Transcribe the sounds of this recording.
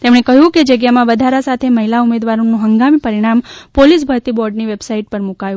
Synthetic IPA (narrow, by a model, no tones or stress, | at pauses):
t̪emɳ̃ekəɦjũked͡ʒəɡjamãʋəd̪ʱaɾasat̪ʰeməɦilaumed̪ʋaɾonũɦəŋɡamipəɾiɽ̃ampolis̬bʱəɾt̪ibɔɾɖniʋebsaiʈ̚pəɾmukajũ